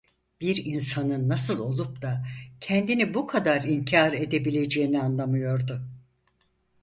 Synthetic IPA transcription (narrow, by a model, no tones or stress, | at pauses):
b̥iɾinsanɯnːasɯlˠo̞lˠupd̪acʰɛnd̪inibukʰad̪aɾiɲcʰaɾe̞d̪e̞bilʲe̞d͡ʒe̞ːinianlˠamɯjo̞ɾd̪ʊ